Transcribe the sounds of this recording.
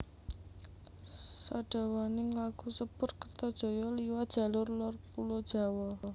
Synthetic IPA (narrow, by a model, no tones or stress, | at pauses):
saɖ̥a̤wanɪŋlaɡ̥ṳsəb̥ʊ̤rkərt̪ɔd̥ʒ̥o̤jɔliwad̥ʒ̥a̤lʊrlɔrpulɔd̥ʒ̥a̤wɔ